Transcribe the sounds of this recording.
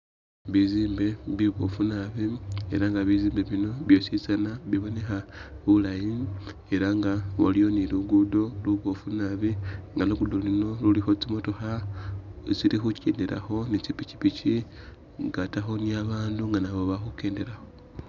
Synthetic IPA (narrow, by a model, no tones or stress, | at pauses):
βiziːmbe̞βiβo̞̰funaβie̞̰ɾaŋɡaβiziːmbe̞βino̞βjo̞sit͡sanaβiβo̞ne̞xaβulaji | e̞ɾaŋɡawo̰lijo̞niluɡudo̞luβo̞funaβiŋɡanuɡudolino̞lulixo̞t͡simo̞to̞xa | t͡silixuceːndeɾa̰xo̞nit͡ʃipici̥pit͡ʃi | ŋɡataxo̞niaβaːnduŋɡanaβoβaxuke̞ːnde̞ɾaxo̞